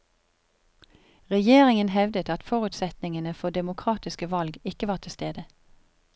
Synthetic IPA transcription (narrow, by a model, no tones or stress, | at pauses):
ʁɛjeːʁɪŋənhɛʋd̪ət̪ɑt̪fɔʁʉt̪sɛt̪nɪŋənəfɔd̪ɛmʊkʰʁɑːt̪ɪskəʋɑlɡɪkəʋɑːt̪ʰɪst̪eːd̪ə